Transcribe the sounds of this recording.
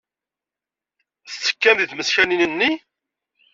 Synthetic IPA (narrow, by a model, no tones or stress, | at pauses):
θt͡sːə̥kːæmðiθməsçæninənːi